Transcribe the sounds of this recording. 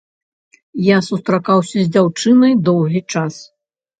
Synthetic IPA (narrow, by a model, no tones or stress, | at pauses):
jasust̪ɾakawsʲɐzʲd͡zʲawt͡ʂɨnɐjd̪ɔwɣʲit͡ʂas